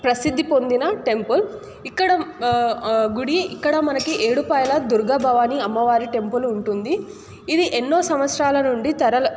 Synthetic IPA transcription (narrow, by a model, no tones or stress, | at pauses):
pɾɐsid̪ʱːipo̞nd̪inɐʈe̞mpul | ikːɐɽɐ | ɡuɽiikːɐɽɐmɐnɐkiʔeːɽupɐːjɐlɐd̪uɾɡɐːbʱaːʋaːniɐmːɐʋaːɾiʈe̞mpuluɳʈund̪iː | d̪iʔenːo̞ːsɐmʋɐt̪sɾaːlɐnuɳɖit̪ɐɾɐlɐ